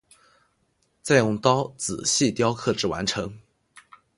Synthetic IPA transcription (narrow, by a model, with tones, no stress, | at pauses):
t͡sa˥˧ɪjʊ˥˩ŋt̪ɑ˥ʊt͡sɹ̩˨˩ɕi˥˩t̪jɑ˥ʊkʰɤ˥˩ʈ͡ʂɻ̩˥˩wa̰˧˥nʈ͡ʂʰɤ˧˥ŋ